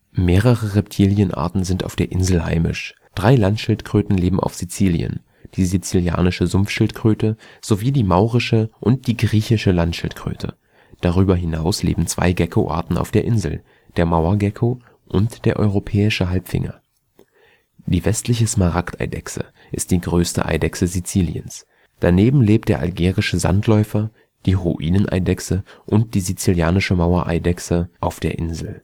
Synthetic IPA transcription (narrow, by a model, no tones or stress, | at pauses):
meːʁəʁəʁɛp̚tʰiːljənʔa̰ːɐtn̩zɪnta̰ʊfd̥eːɐʔɪnzl̩ɦa̰ɪmɪ̰ʃ | d̥ʁaɪlantʃɪltkʁ̥øːtn̩leːbm̩ʔa̰ʊfz̥it͡siːljə̰n | d̥iːzit͡silja̰ːnɪʃəzʊmfʃɪltkʁ̥øːtəz̥oviːdiːmaʊʁɪʃəʔʊnt̚d̥iːɡʁiːçɪʃəlantʃɪ̰ltkʁ̥ø̰ːtʰə̰ | d̥aʁ̞yːbɐɦɪnaʊslḛːbm̩t͡sv̥a̰ɪɡɛkʰoʔa̰ːɐtn̩a̰ʊfd̥eːɐʔɪnzl̩ | d̥eːɐmaʊɐɡɛkʰo | ʔʊntd̥eːɐʔɔʏʁopʰɛːɪʃəɦalpfɪ̰ŋɐ̰ | d̥iːvɛstʰlɪçəsmaʁaktʔa̰ɪdɛ̰ksə̰ | ʔɪst̚d̥iːɡʁøːstə̰ʔa̰ɪdɛksəzit͡siːlḭə̰ns | d̥aneːbm̩leːp̚td̥eːɐʔa̰lɡeːʁɪʃəza̰ntʰlɔʏfɐ | d̥iːʁṵʔiːnənʔa̰ɪdɛksəʔʊnt̚d̥iːzit͡siljaːnɪʃəmaʊɐʔa̰ɪdɛksəʔaʊfd̥eːɐʔɪnzl̩